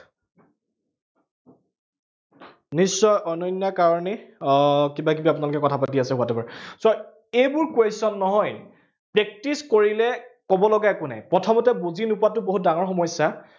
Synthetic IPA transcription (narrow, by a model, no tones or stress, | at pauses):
nisːɔjʔɔnɔnːakaɹɔnɛ | kibak̬ibaap̬unalukɛkɔtʰapatiasɛɦʊatɛbaɹsɔ | ejbʊɹkwesɔnːɔɦɔj | pɹɛk̚tiskoɹilɛkɔbɔlɔɡakuna̰jpɹɔtʰɔmɔtɛbuzinupatʊboɦut̚daŋɔɹxɔmɔjsa